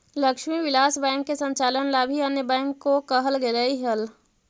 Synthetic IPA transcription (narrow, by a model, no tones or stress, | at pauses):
ləkʃmiʋɪlaːsbɛ̃ːŋkːesə̃ɲt͡ʃaːlənlabʱiɐnjəbɛ̃ːŋkːokəɦəlɡeləiɦəl